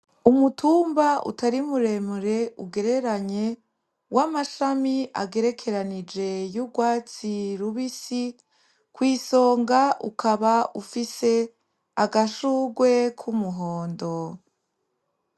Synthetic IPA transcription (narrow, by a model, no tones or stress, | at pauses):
umutʰuːmbaṵtaɾimuɾe̞muɾe̞uɡe̞ɾe̞ɾaɲe̞ | wʔamaʃamia̰ɡe̞ɾe̞kʰe̞ɾanid͡ʒe̞juɡwaːt͡siɾuβisi | kwiːso̞ːŋɡaʔṵkʰaβaʔufise̞ | aɡaʃuːɡwe̞kʰumuɦo̞ːndo